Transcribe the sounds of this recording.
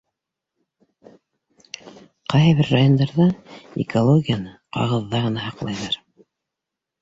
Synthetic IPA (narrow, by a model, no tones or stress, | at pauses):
qɑjðβɘɾːajo̞nd̪ɑɾðɑḭkolˠoɡʲijanɤqɑ̰ʁɤ̆ðːɑʁɤ̆nɑhɑqlˠɑjðɑɾ